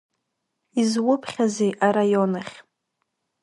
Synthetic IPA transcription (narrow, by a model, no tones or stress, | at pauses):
izwʊpʰχʲazejʔarajonaχʲ